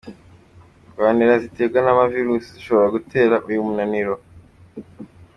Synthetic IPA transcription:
ɡaːniɾaziteːɡanamaviɾusiziʃo̞βo̞ɾaɡutʰe̞ːɾaʔujumunaniɾo

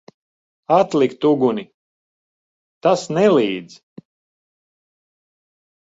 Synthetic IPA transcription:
at̪lˠikt̪uɡuni | t̪asnɛliːd̪z

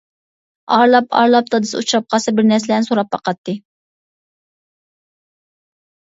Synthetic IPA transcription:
ɑɾlˠɑpʰɑ̰ɾlˠɑp̚t̪ʰɑd̪ɨ̥sɨut͡ʃʰɾɑp̚qʰɑsɨbɪɾnɛɾsɪlɛnsoɾɑpːɑqʰɑt̪ʰːɨ

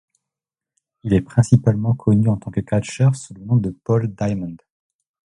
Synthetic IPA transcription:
ilɛpχɛ̃sipalmɑ̃kʰɔnyɑ̃t̪ɑ̃kəkat͡ʃœʁsulənɔ̃d̪əpɔld̪ajmɑ̃nd̪

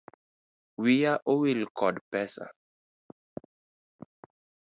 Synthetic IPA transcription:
wijaʔowilkʰɔdpɛsa̰

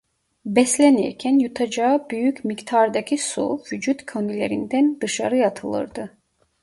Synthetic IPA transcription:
bɛslænḭɾcʰænjut̪ʰɑd͡ʒɑbyjycmikt̪ʰɑɾd̪ɑcʰisṵvyd͡ʒut̪cʰønyleɾind̪ænd̪ɯʃɑ̰ɾɯjɑt̪ʰɯlˠɯ̰ɾd̪ɯ

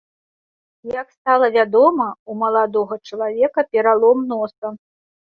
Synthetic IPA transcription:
jakst̪alˠɐvʲad̪ɔmɐumɐlˠad̪ɔɣɐt͡ʂɐlˠavʲɛkɐpʲɛɾalˠɔmnɔsɐ

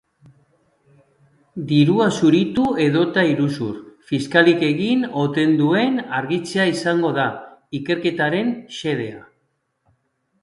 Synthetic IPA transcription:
d̪iɾuasuɾit̪ue̞ð̞o̞t̪aiɾusṵɾfiskalike̞ɣino̞t̪e̞nd̪ue̞naɾɣit͡seaisaŋɡo̞ð̞aike̞ɾke̞t̪aɾe̞nse̞ð̞e̞a

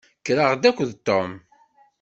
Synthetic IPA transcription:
kɾəʁd̪ækʷːðt̪ːom

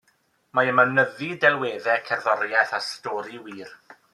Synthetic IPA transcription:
maəmanəðidɛlˠweːðɛkʰɛrðɔɾjɛθastɔːɾiwiːr

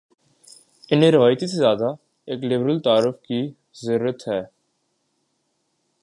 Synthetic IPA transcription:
ɪnẽɾɪʋaːjt̪isezjaːd̪a | eːklɪbɾəlt̪aːɾʊfki | zəɾuːɾət̪ɦɛː

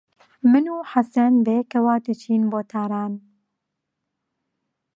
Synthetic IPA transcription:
mɨnuːħasɐnbeːkɐwaːd̪ɨt͡ʃʰiːnboːt̪ʰaːɾaːn

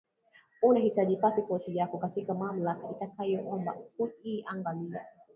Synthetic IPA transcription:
unahitaʄipasipɔtijakɔkatikamam̩lakaitakajɔʔɔmba̰huiʔaŋɡalia̰

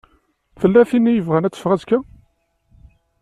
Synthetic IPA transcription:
fəlːæθinːijəvʁænæt͡sːə̥fʁæzkːæ

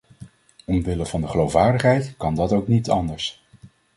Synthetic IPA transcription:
ɔmʋɪləvɑndəχəlowfʋaːɹdəχɦɛjtkɑndɑtowknitɑndəɹs

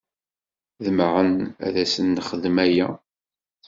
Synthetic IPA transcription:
ðəmʁənæ̰ðæsənːχəðmæjæ

